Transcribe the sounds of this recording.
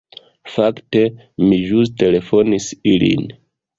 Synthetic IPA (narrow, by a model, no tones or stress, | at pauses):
fakte̞ | miʒus̬te̞le̞fo̞nisilḭn